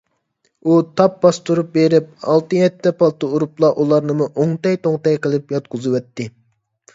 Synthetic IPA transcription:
ut̪ʰɑp̚bɑst̪uɾup̚beɾɪp̚ɑ̰lˠt̪ɨjɛt̪ʰːɛpɑlˠt̪ɨuɾuplˠɑʔulˠɑɾnɨmuʔoŋt̪ɛjt̪oŋt̪ɛjqəlˠɨpjɑt̪̚qʰʊzɨwɛt̪ʰːɪ

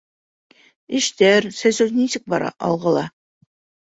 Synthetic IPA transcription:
ɘʃt̪æɾsæsɵznisɘk̚bɑɾɑ̰ʔɑ̰lˠʁɤ̆lˠɑ

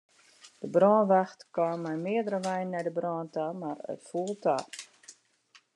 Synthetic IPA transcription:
d̥əbrɔːnʋaxtkwamɛjmɪədəɾəʋɛjnːɛjdəbrɔːntamarə̰tfuəlˠta̰

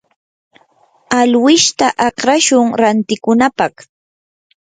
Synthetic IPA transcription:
alwɪʃt̪aʔɑqɾaʃʊŋɾant̪ɪkʊnapɑχ

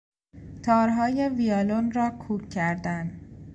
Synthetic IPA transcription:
t̪ʰɒːɾɦɒːje̞vijɒːlonɾɒːkʰuːkʰːæɾd̪ænd̪

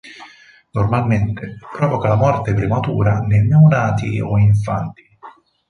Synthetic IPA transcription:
normalment̪epɾɔvokalamɔrt̪epɾimat̪ṵːɾanenːewnaːt̪ḭɔ̰iɱfa̰nt̪i̥

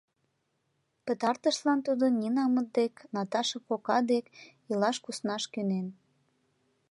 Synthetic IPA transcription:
pə̆t̪ɑrt̪əʃlɑnt̪ud̪ənʲinɑmət̪̚d̪eknɑt̪ɑʃəkokɑd̪ek | ilɑʃkusnɑʃkynen

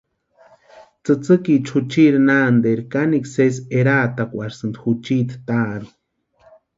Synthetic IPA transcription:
t͡sɨt͡sɨkit͡ʃʰut͡ʃiɾinand̪eɾkanikseseɾaːt̪akʷaɾsɨnd̪xut͡ʃiːt̪t̪aːɾu

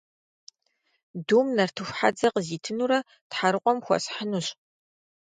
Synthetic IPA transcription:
duːmnɐrtʰɨxʷħa̰d͡zɐqəziːtʰɨnuːɾɐ | tħaɾɨqʷʼɔmxʷɔ̰sħənuɕ

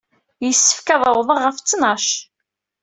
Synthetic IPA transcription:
jəsːə̥fkæðˤʊðˤəʁːəft͡sːnɑʃ

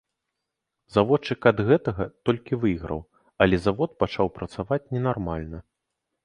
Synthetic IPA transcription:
zavɔt͡ʂːɨkɐd̪ɣɛt̪ɐɣɐt̪ɔlʲkʲivɨjɣɾɐ̰w | ɐlʲɛzavɔt̪̚pat͡ʂawpɾɐt̪savat͡sʲnʲɛnarmalʲnɐ

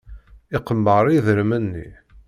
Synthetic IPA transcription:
ɪqəmːəɾˤiðɾəmənːḭ

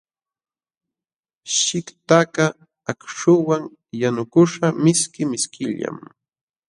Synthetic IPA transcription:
ʃɪkt̪aka | akʂʊwaŋ | janʊkʊʃamɪskɪmɪskɪʎa̰m

